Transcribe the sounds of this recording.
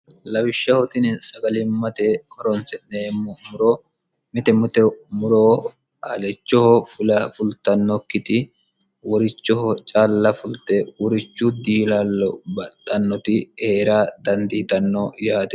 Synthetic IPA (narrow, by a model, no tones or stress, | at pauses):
lɐwɪʃːɐhɔt̪ɪnɛsɐɡɐlɪmːɐt̪ɛhɔɾɔnsɛneːmːɔmʊɾɔ | mɪt̪ɛmʊt̪ɛmʊɾɔ | alɛt͡ʃːɔhɔfʊlɐfʊlt̪ɐnːɔkːɪt̪ɪ | wɔɾɪt͡ʃːɔhɔt͡ʃʼaːlːɐfʊlt̪ɛwɔɾɪt͡ʃːʊd̪iːlɐlːɔbɐt̪ʼːɐnːɔt̪ɪhe̞ːɾad̪ɐnd̪iːt̪ɐnːɔjaːt̪ɪ